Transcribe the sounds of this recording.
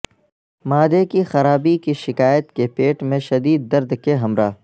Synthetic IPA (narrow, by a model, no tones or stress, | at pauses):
maːd̪ekixɐɾaːbikiʃɪkaːjət̪kepeːʈmẽʃɐd̪iːd̪ːɐɾd̪keɦɐmɾaː